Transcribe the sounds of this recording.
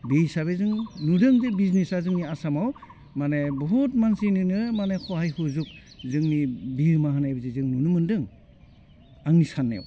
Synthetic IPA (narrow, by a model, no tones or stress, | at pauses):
bejsaβezɯŋnudɯŋdebiznisazɯŋniasamaw | manebɔɦut̚mansinɯnɯmanekʰɔɦajhuzuk̚ | zɯŋnibiɾmaɦanajbizizɯŋnunumɯndɯŋ | aŋnisanːḛw